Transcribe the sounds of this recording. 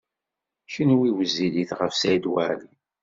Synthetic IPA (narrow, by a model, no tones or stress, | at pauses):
çənwiwəzːiliθʁəfsæjd̪wæ̰li